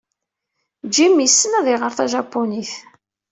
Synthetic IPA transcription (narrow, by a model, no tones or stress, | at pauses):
d͡ʒimjəsːənæðiʁəɾθæʒɑpːoniθ